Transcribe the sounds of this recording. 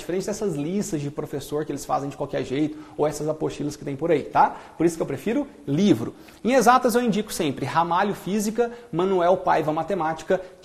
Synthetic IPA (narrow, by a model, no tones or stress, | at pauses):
d͡ʒifeɾẽnsɪɐd̪ɛsɐzlist̪ɐzd͡ʒɪpɾofesoɾkɪelɪsfa̰zẽj̃d͡ʒɪkwawkɛɾʒejt̪ʊ̥owɛsɐzapoɾʃilɐskɪt̪ẽj̃poɾait̪apoɾisʊ̥kɪewpɾefiɾʊ | livɾʊ | ẽezat̪ɐzewĩnd͡ʒikʊ̥sẽmpɾɪhamaljʊfizikɐmɐ̃nuɛwpajvɐmat̪emat͡ʃi̥kɐk